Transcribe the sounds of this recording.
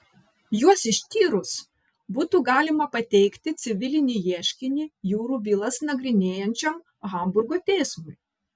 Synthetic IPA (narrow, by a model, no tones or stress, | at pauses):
juɔsɪʃʲt̪ʲiːɾʊs | buːt̪uːɡɑːlʲɪmɐpɐt̪ʲɛɪkt̪ʲɪt̪sʲɪʋʲɪlʲɪnʲiːjiɛʃʲkʲɪnʲiːjuːɾuːʋʲiːlˠɐsnɐɡɾʲɪnʲeːjɛnʲt͡ʃʲɛm | ɣɐˑmbʊɾɡoːt̪ʲɛɪsmʊɪ